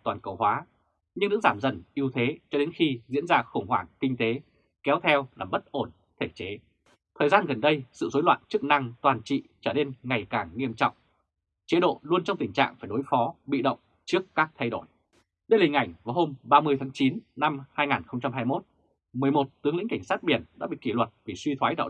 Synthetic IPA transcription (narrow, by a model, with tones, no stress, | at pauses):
t̪waː˨˩nkə˨˩whwaː˨˦ | ɲɨ˧ŋɨ̰˧˥ŋzaː˧˩mzə̰˧˩nʔi˧əwt̪ʰe˨˦t͡ɕɔ˧ɗe˨˦nxi˧zḭ˧˥ənzaː˧xə˧˩ŋ͡mhwaː˧˩ŋkï˧ŋ̟t̪e˨˦ | kɛ˨˦wt̪ʰɛ˧wlaː˨˩ɓə˦˥t̚ʔo˧˩n | t̪ʰe˧˩t͡ɕe˨˦ | t̪ʰəː˨˩jzaː˧nɣə˨˩nɗə˧jsɨ̰˧˨zo˨˦jlwa̰ː˧˨nt͡ɕɨ˦˥k̚na˧ŋt̪waː˨˩nt͡ɕḭ˧˨t͡ɕəː˧˩ne˧nŋa˨˩jkaː˧˩ŋŋi˧əmt͡ɕɔ̰˧˨wŋ͡m | t͡ɕe˨˦ɗo̰˧˨lu˧ənt͡ɕɔ˧wŋ͡mt̪ï˨˩ŋ̟t͡ɕa̰ː˧˨ŋfaː˧˩jɗo˨˦jfɔ˨˦ɓḭ˧˨ɗə̰˧˨wŋ͡m | t͡ɕɨ˦˥əkːaː˦˥k̚t̪ʰa˧jɗo˧˩j | ɗə˧jlï˨˩ŋ̟ʔa˧˩jŋ̟vaː˨˩ɦo˧mɓaː˧mɨ˧əjt̪ʰaː˨˦ŋt͡ɕi˨˦nna˧mhaː˧jŋaː˨˩nxə˧wŋ͡mt͡ɕa˧mhaː˧jmo˦˥t̚ | mɨ˨˩əjmo˨˩t̚t̪ɨ˨˦əŋlḭ˧˥ŋka˧˩ŋ̟saː˦˥t̚ɓi˧˩ənɗa̰ː˧˥ɓḭ˧˨ki˧˩lwə˨˩t̚vi˨˩swi˧t̪ʰwaː˨˦jɗa̰ː˧˨